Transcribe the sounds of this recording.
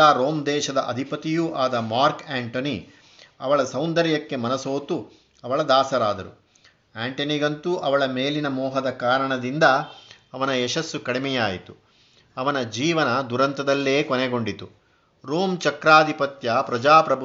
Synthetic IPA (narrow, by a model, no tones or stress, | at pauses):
aːɾoːmd̪ɛːʃɐd̪ɐʔɐ̰d̪ʱipɐt̪ijuʔaːd̪ɐmaːɾkaːɳʈoni | ɐʋɐɭɐsɐwnd̪ɐɾjɐkːe̞mɐnɐso̞ːt̪u | ɐʋɐɭɐd̪aːsɐɾaːd̪ɐɾṵ | aːɳʈɐniɡɐnt̪uʔɐʋɐɭɐmeːlinɐmɔːɦɐd̪ɐkaːɾɐɳɐd̪ind̪ɐː | ʋɐnɐɛʃɐsːukɐɽimɛjaːjit̪u | ɐʋɐnɐd͡ʒiːʋɐnɐd̪uɾɐnt̪ɐd̪ɐlːeːkonɛɡo̞ɳɖit̪u | ɾoːmt͡ʃɐkɾaːd̪ʱipɐt̪jɐpɾɐd͡ʒaːpɾɐbʱu